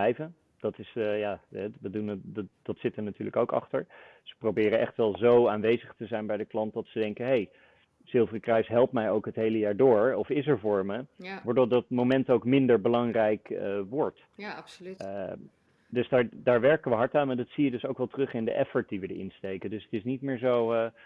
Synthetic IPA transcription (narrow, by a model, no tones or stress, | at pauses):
ɛjvən | d̥ɑtɪsjaːɛʋədund̥ɑtsɪtəɹnatyːɹləkowkɑ̰χtəɹz̥ə̥prowbɪːɾənʔɛ̰χtʋɛlˠzowaːnʋejzəχtəzɛjnbɛjdəklɑnt̚dɑtsədɛŋkəɦej | z̥ɪlˠvərəkrɛɥsɦɛlˠptmɛjowkɦətɦejləjaːɹdʊːɹɔfɪs̬ɛɹvʊːɹməʋɔɹdɔdɑtmomɛntowkmɪndəɹbəlɑŋrɛjkəʋɔɹt | dɵsdaːɹdaːɹʋɛɹkəʋəɦɑɹtaːnmadɑtsijədɵsowkʋɛlˠtrɵχɪndə̰ʔɛfəɹt̚diʋədə̰ʔɪ̰nstejkəndɵsə̥tɪsnit̚mɪːɹzowə